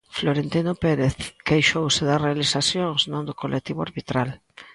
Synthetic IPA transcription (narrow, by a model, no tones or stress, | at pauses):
floɾent̪inopeɾeθkejʃowsɪðarealisasjoŋsnõnd̪ʊkolek̚t̪iβʊaɾβit̪ɾal